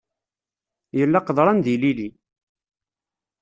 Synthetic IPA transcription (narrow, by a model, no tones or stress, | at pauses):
jəlːæqðˤɾˤɑnðilili